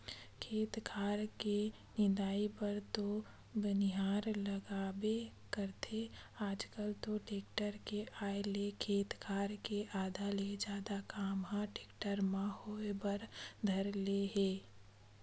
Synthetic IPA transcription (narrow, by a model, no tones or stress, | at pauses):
kʰeːt̪kʰaːɾke | nɪd̪aːipəɾt̪o | bɪnɪɦaːɾləɡaːbekəɾt̪ʰeaːd͡ʒkəlt̪oʈeːk̚ʈəɾkeʔaːelekʰeːt̪kʰaːɾkeʔaːd̪ʱaled͡ʒjaːd̪akaːmɦãʈeːkʈəɾmãhoːebəɾd̪ʱɐɾleɦeː